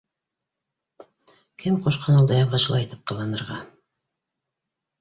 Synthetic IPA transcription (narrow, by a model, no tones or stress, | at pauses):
kʰɘmqoʃqʰɑnulˠd̪ɑjɑɴʁɑʃɤlˠɑjt̪ɘ̥p̚qʰɑlˠɑnɤ̆ɾʁɑ